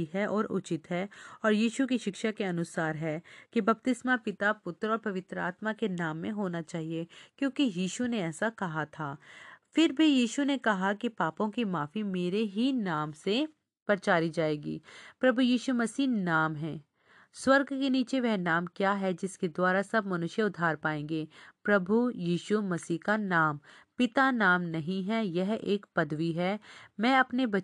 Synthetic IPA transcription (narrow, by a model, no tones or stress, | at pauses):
ɦɛʔɔːɾʔʊ̰t͡ʃɪt̪ɦɛːɔːɾjiːʃukiʃɪkʃakeɐnʊsaːɾɦɛːkibɐp̚t̪ɪsmapɪt̪apʊt̪ɾɔːɾpɐʋɪt̪ɾəa̰ːt̪makenaːmːẽɦoːnat͡ʃaːɦiekjõːkijiːʃuneɛːsakɐɦat̪ʰaːfɪɾbʱijiːʃunekɐɦakipaːpõkimaːfimeːɾeɦinaːmse | pɐɾt͡ʃaːɾid͡ʒaːeːɡḭːpɾɐbʱujiːʃumɐsiːnaːmɦɛ̃ː | swɐɾɡkeniːt͡ʃeʋɛɦnaːmkjaːɦɛd͡ʒɪsked̪waːɾasɐbmɐnʊʃjəʊd̪ʱːaːɾpaːẽːŋɡeːpɾɐbʱujiːʃumɐsiːɦkanaːm | pɪt̪anaːmnɐɦĩɦɛjɛɦeːkpɐd̪ʋiɦɛːmɛ̃ːɐpnebɐ